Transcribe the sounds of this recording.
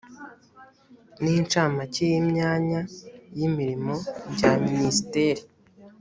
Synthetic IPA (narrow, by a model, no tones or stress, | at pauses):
niːnt͡ʃaːmacejimɲaːɲajimiɾimo̞bɟaministeɾi